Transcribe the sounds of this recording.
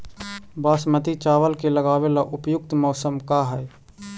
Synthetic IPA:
baːsmət̪it͡ʃaːʋəlkeləɡaːwelaʔʊpjʊk̚t̪mɔːsəmkaɦɛj

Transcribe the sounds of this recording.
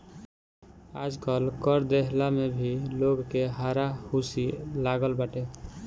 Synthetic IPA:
ad͡ʒɡəlkəɾd̪eɦlamebʱiloɡkeɦaɾahusilaɡəlbaʈe

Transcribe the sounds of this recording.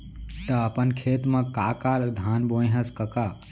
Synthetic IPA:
t̪əːpənkʰet̪mə̃kakaɾd̪ʱanbojɦəskəka

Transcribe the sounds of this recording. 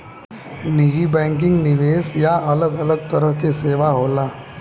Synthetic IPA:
nid͡ʒibɛ̃ːŋk̬ɪ̃ŋɡnɪʋeːsjaɐləɡɐləɡ̚t̪ɐɾəɦkeseːʋaɦoːlaː

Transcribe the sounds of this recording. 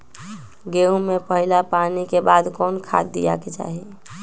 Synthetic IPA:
ɡeũmepəɦilapanikebad̪kɔːnkʰa̰d̪ːija̰ket͡ʃa̰ɦi

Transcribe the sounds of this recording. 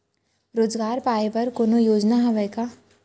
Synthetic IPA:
ɾoːd͡ʒɡaːɾpaːepɐɾkoːnojoːd͡ʒnaɦɐʋɛka

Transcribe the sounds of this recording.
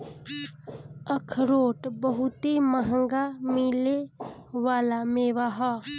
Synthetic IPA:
əkʰɾoːʈbəɦʊt̪eməɦə̃ŋɡamɪleʋaːlameːʋaɦɔː

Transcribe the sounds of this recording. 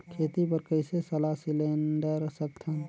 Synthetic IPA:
kʰeːt̪ipəɾkəɪsesəlaɦsɪleɳɖəɾsək̚t̪ʰən

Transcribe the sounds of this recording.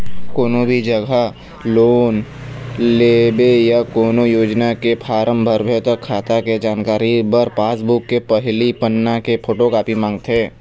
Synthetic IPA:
koːnobʱid͡ʒəɡʱa | loːn | leːbejakoːnojoːd͡ʒnakepʰaːɾəmbʱəɾbʱet̪əkʰːaːt̪aked͡ʒaːnkaːɾibəɾpaːsbukːepəɦlipənːakepʰoːʈokaːpimãːŋɡt̪ɦɛ̃ː

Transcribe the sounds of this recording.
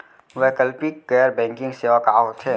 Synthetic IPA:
ʋɛkəlpikɡɛːɾbɛ̃ːŋkɪ̃ŋɡseːʋakaːot̪ʰeː

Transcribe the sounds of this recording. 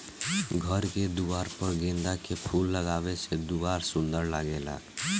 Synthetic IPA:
ɡʱəɾked̪uwaːɾpəɾɡẽnd̪akepʰulːəɡaːbesed̪uwaːɾsʊ̃nd̪əɾlaːɡela̰

